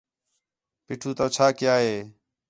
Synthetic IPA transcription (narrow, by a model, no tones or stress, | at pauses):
piːʈʰuːt̪oːt͡ʃʰaːkɪjaːɦeː